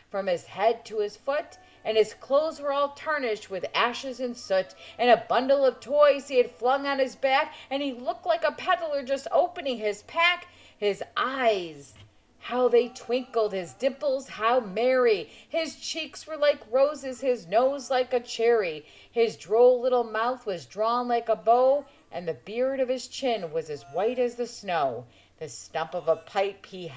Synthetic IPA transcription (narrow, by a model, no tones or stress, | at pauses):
fɹʌ̃mɪz̥hɛd̚tʰəɪz̥fʊɾ | ɨ̃nɨz̥kʰl̥oʊzwə˞ɔlˠtʰɜ˞nɪʃt̚wɨðæʃɨzɨ̃nsʊt͡ʃɨ̃nɨbʌ̃ndl̩ˠʌv̥tʰɔɪz̥iɨd̥flʌ̃ŋə̃nɨzbækɨ̃nilʊk̚tˡlaɪkəpʰæɾl̩ˠə˞d͡ʒʌstoʊpɨnɪ̃ŋɪz̥pʰæk | hɪzʔaɪz̥ | haʊðeɪtʰw̥ɪ̃ŋkl̩ˠd̚ɪzdɪ̃pl̩ˠz̥haʊmɛɹiɪz̥t͡ʃʰikswə˞laɪkɹoʊzɨz̥ɪznoʊzlaɪkɨt͡ʃʰɛɹi | ɪzdɹoʊlɪɾl̩ˠmaʊθwʌzdɹɔ̃nlaɪkəboʊ | ʔɨ̃nðɨbɪɹɾʌv̥ɨz̥t͡ʃʰɪ̃nwʌzɨzwaɪɾɨzðɨsnoʊ | ðɨstʌ̃mpʌvəpʰaɪphi